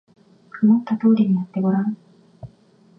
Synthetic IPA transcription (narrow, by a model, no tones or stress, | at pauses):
kʰɯmot̪ːat̪o̞ːɾʲiɲ̟ijat̪ːe̞ɡo̞ɾã